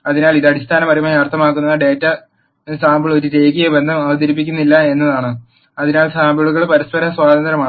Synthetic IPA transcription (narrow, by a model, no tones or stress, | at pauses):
ɐðinaːliðɐɽist̪ʰaːnɐmɐrɐjmoːjɐrt̪ʰɐmaːkːunːɐɖe̞ːtːɐ | saːmbɐɭo̞ɾuɾeːkijebe̞nd̪ʱɐmɐʋɐd̪ɐɾip̬ːikʲːunːilːɐe̞nːɐðaːɳɨ | ɐðinaːlsaːmbɐɭuɣɐɭpɐɾɐspɐɾɐswaːd̪ɐnd̪ɐɾɐmaː